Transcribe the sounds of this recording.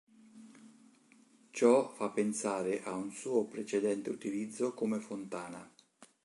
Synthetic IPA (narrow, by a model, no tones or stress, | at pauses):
t͡ʃɔfapːensaːɾeʔaunsuːopɾet͡ʃed̪ɛnt̪eut̪ilid̪zːokomefont̪aːna̰